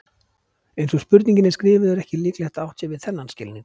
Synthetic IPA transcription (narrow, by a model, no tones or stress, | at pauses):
ejnsɔspʏɾt̪niɲcɪnɪskɾɪːvɪðɛɾɛhcɪliːklɛxt̪awht̪sɛvɪðθɛnːanscɪlnɪ